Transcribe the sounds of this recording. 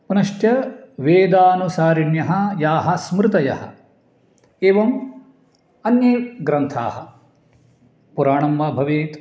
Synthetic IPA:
punɐʃʈjɐʋeːd̪aːnusaːɾiɳjɐɦɐ̆jaːɦɐsmɾɪt̪ɐjɐ̰ɦɐ̰̆ | eːʋɐm | ɐnjeːɡɾɐnt̪ʰa̰ːhɐ | puɾaːɳɐmʋaːbʱɐʋeːt̪

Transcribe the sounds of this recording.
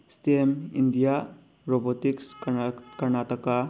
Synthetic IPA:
stemḭnd̪ija | ɾɔbotikskɐɾnatɔka

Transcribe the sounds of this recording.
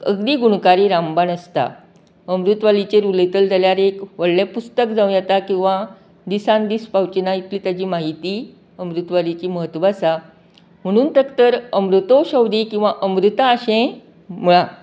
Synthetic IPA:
əɡd̪iːɡuɽkaɾiːɾambanəst̪a̰ | əmɾut̪ʋalit͡ɕeɾulet̪əld͡zʱaljaɾekʋəɭ̤ɭepust̪ək̚d͡zaũjat̪akĩw̃ʋa | d̪isãnd̪iːspawt͡ɕnait̪liːt̪jad͡ʑiːmaɦit̪i | əmɾut̪ʋalit͡ɕiːməɦət̪ːʋasa | m̤əɽ̃uːnt̪əkt̪əɾəmɾut̪oɕəwd̪iːkĩw̃ʋaʔəmɾut̪aːɕẽ | muɭa

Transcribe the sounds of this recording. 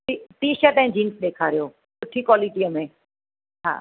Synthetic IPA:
iʈiːʃəʈə̃ɦɪ̃d͡ʑiːnsɗeːkʰaːɾijoː | kʊʈʰikwaːliʈiəmẽ | ɦa̰ː

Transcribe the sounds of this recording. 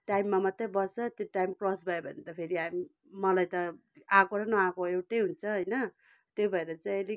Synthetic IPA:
ʈajmːamʌt̪rebʌsʌt̪joʈajmkrosbʱʌebʱʌnet̪ʌpʰeɾiami | mʌlajt̪ʌ | akoɾʌnʌakoewʈejɦunt͡sʰʌɦʌjnʌ | t̪jobʱʌeɾʌt͡sãʌli

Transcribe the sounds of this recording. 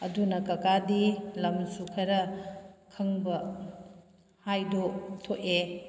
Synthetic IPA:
ɐdunɐkɐkadilɐmsukʰɐɾɐkʰɐŋbɐ | hajdotʰoʔe

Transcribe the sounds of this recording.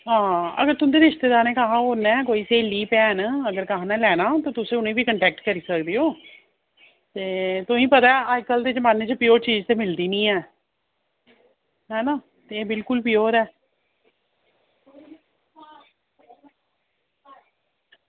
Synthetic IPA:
ɦãːə̰ɡəɾt̪ʊnd̪eːɾɪʃt̪eːd̪aːɾneːkəɦãːoːnɛ̃ːkoːiːseːliːpɛːənəɡəɾkəɦãːnɛːlɛːnaːt̪oːt̪ʊsẽːʊnẽːbiːkəɳʈɛːk̚ʈkəɾiːsəkd̪iːoː | t̪eːt̪ʊĩːpət̪aːaːkəld̪eːd͡ʒəmaːnːeːt͡ʃəpɪjoːɾt͡ʃiːd͡ʒt̪eːmɪld̪iːnĩːɛː | ɦɛːnãː | t̪eːbɪlkʊlpɪjoːɾɛː

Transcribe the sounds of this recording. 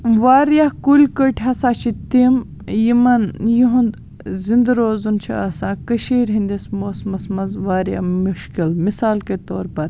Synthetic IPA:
ʋaːɾjakulʲkəʈʲʰɦɐsãːt͡ʃʰit̪im | jimɐnjuɦund̪ | zind̪ɾoːzunt͡ʃʰḭɐsãːkɐʃiːɾɦĩnd̪ismoːsmɐsmɐzʋaːɾja̰muʃkilmisaːlket̪oːɾpɐɾ

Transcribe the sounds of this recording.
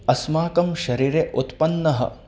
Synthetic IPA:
ɐsmaːkɐmʃɐɾiːɾeʔut̪pɐnːɐɦɐ̰

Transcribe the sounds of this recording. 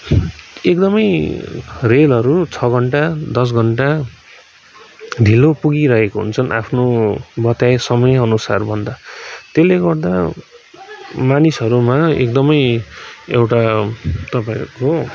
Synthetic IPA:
ek̚d̪ʌmʌj | relʌɾut͡sʰʌɡʱʌɳʈad̪ʌs̬ɡʱʌɳʈa | d̪ʱilopuɡiɾʌɦekoɦṵnt͡sʰʌnʔa̰pʰnobʌt̪ajsʌmʌjʌnusarbʱʌnd̪at̪eleɡʌrd̪a | manisʌɾumaḛk̚d̪ʌmʌj | ḛwʈat̪ʌpaĩko

